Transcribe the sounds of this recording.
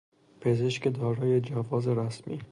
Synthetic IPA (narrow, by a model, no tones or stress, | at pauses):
pʰe̞zeʃke̞d̪ɒːɾɒːje̞d͡ʒævɒːzeɾæsmḭː